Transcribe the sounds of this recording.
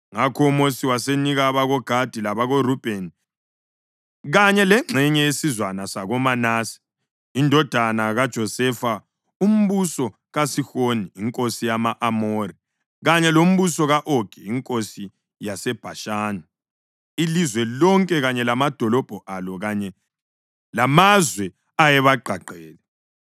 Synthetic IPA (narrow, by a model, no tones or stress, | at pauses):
ŋakʰɔumosiwaseniɣaβaɣɔɡ̥ʱad̥ʱilaβaɣorub̥ʱeni | ɣaɲɛlɛŋ͡ǁʱɛɲɛesizwanasaɣɔmanaːsi̥ | indʱɔd̥ʱanaɣad̥ʒ̥ʱɔsɛfa | um̩βusɔ | ɣasixoniːŋkʼosijamaʔamoːri | ɣaɲɛlom̩βusɔɣaʔoɡ̥ʱɛiŋkʼosi | jasɛb̥ʱaʃaːna | ilizwɛlɔŋkʼɛɣaɲɛlamad̥ʱɔlɔb̥ʱɔʔalɔɣaɲɛ | lamazwɛ | ajɛβaɡ͡ǃʱaǃʱɛːlɛ